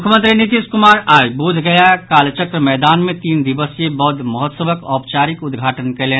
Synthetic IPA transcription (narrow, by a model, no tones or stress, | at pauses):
ʊkʰəmə̃nt̪ɾinit̪iskʊmaːɾaːjbud͡ʒʱɡɐjakaːlt͡ʃəkɾəmɛːd̪aːnmẽt̪iːnd̪ɪʋəsjebɔɦd̪məɦɔt̪səʋəkɔːp̚t͡ʃaːɾɪkʊd̪ɡʱaːʈənkeleː